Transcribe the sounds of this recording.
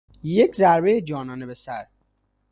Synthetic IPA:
jekʰzæɾbejed͡ʒɒːnɒːnebesæɾ

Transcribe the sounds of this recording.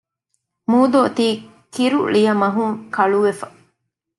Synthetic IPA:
muːd̪ot̪iː | kiɾṵɭijɐmɐɦuŋkɐɭuʋefɐ

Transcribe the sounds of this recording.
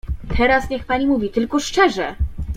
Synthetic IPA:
t̪ʰɛɾasɲɛxpaɲimuvʲit̪ɘlkɔʂt͡ʂɛʐɛ

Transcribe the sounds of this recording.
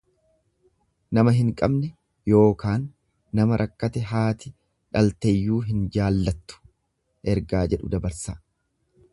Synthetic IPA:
nɐmɐɦɪŋkʼɐbnɛ | jo̞ːkaːnː | ɐmɐɾʔɐkːɐt̪ɛɦaːt̪ɪ | ᶑɐlt̪ɛjːuːɦɪnd͡ʒaːlːɐt̪ːʊ̥ | ʔɛɾɡaːd͡ʒɛᶑʊ̰d̪ɐbɐɾsaː

